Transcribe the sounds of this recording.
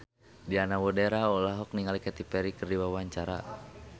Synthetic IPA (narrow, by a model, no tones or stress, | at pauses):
dianawɔdeɾaɔlaɦɔk̚niŋalikɛt̪ipɛɾikɨrdiwawaɲt͡ʃaɾa̰